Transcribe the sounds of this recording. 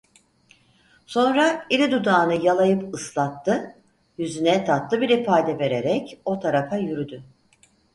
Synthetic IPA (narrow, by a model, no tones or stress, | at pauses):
so̞nɾailʲid̪ud̪aːnɯjalˠajɯpɯslˠat̪ʰːɯ | jyzynɛt̪ʰat̪lˠɯbiɾifaːd̪ɛve̞ɾe̞ɾɛco̞t̪ʰaɾafajyɾyd̪y